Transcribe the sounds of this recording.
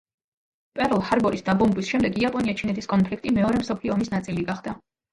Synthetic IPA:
pʼɛɾɔlˠhaɾbɔɾisd̪abɔmbwisʃɛmd̪ɛɡiapʼɔniat͡ʃʰinɛt̪ʰiskʼɔnpʰlikʰt̪ʼimɛɔɾɛmsɔpʰliɔːmisnat̪sʼiliɡaχd̪a

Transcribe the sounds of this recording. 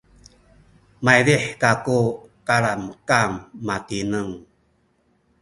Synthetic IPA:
majɾiħkakukaɾanəkamːatinəŋ

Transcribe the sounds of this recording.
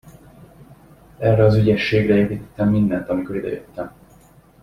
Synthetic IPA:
ɛrɛɒzyɟɛʃːeːɡrɛeːpiːt̪ɛ̥t̪ːɛmːind̪ɛnt̪ɒmiko̞ɾid̪ɛ̰jøt̪ːɛm

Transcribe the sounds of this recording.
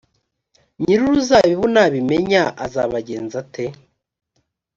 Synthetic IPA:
ɲiɾuɾuzaβiβunaβimeɲaʔa̰za̰βaɟeːnzate

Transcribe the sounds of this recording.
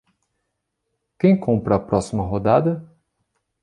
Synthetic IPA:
kẽj̃kõmpɾɐːpɾɔsimɐɦod̪ad̪ɐ

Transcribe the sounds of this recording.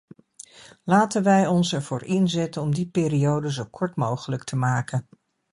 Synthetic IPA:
laːtənʋɛjɔnsɛɹv̥ʊːɹɪnzɛtənɔmdipɪːrijowdəzowkʰɔɹtmowχələk̚tʰəmaːkən

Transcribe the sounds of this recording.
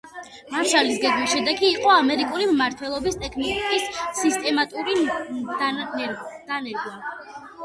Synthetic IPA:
maʃalisɡɛɡmisʃɛd̪ɛkʰiːqʼɔamɛɾikʼulimmaɾt̪ʰwɛlˠɔbist̪ʼɛkʰnɔlˠɔɡikʼisːist̪ʼɛmat̪ʼuɾid̪nɛd̪̥anɛɾɡwa

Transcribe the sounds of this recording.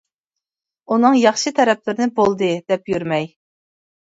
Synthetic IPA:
unɨŋjɑχʃɨt̪ʰɛɾɛplɪɾɪnɪbolˠd̪ɨd̪̥ɛpjyɾmɛj

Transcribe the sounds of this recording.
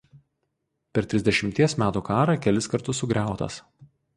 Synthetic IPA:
pʲɛɾt̪ʲɾʲɪzʲd̪ʲɛʃʲɪmʲt̪ʲiɛsmʲæːt̪uːkɑːɾɐkʲɛlʲɪskɐɾt̪ʊsʊɡɾʲæˑʊt̪ɐ̰s

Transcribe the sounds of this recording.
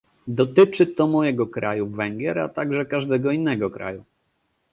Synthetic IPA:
d̪ɔt̪ɘt͡ʂɘt̪ɔmɔjɛɡɔkɾajuvɛŋɡʲjɛɾa̰t̪aɡʐɛkaʐd̪ɛɡɔinːɛɡɔkɾa̰ju

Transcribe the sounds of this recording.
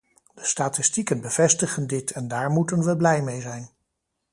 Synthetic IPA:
d̥əstaːtɪstikənbəv̥ɛstəχəndɪtʰɛndaːɹmutənʋəblɛjmejzɛjn

